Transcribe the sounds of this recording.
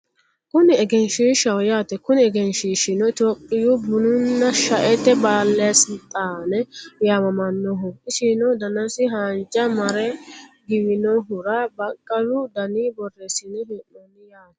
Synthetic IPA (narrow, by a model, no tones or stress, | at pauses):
kʊnɪɛɡɛnʃiʃɐwjaːt̪ɛkʊnɪɛɡɛnʃiːʃɪnɔɪt̪oːpʼːɪjʊbʊnʊnːɐʃɐʔɛt̪ːɛbaːlːɛɐsɪt̪ʼaːnɛjaːmɐmɐnːɔɦʊʔɪsinɔd̪ɐnɐsɪɦaːnd͡ʒɐmɐɾɛɡɪbɪnɔɦʊɾɐbɐkʼːɐlʊd̪ɐniːbɔrːɛsɪnːɛhɪnːɔnːɪjaːt̪ɛ̥